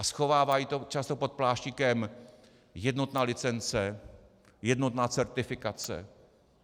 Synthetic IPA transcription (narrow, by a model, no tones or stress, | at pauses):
ʔasxo̞vaːvaːjiːt̪o̞t͡ʃast̪o̞po̞t̪̚plaːʃɲɪkɛm | jɛdno̞t̪naːlɪt͡sɛnt͡sɛ | jɛd̪no̞t̪naːt͡sɛɾt̪ɪfɪkat͡sɛ̰